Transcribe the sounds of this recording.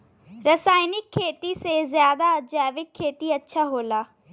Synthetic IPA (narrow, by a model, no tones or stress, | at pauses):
ɾɐsaːɪnɪkʰːeːt̪isezjaːd̪aɐd͡ʑaːʋɪkʰːeːt̪iɐtːʃʰaɦoːlaː